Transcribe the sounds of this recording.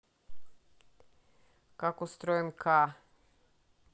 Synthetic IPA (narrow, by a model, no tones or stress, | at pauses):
kakost̪ɾoɛmkʰaː